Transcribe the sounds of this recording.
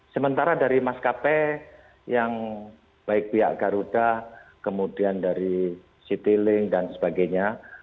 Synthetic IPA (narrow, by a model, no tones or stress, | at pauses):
səmənt̪aɾadaɾimaskapɛ | jaŋ | b̥aɪk̚pia̰ʔɡaɾudahkəmudiandaɾi | sit̪ilɪŋdansəbaɡajɲa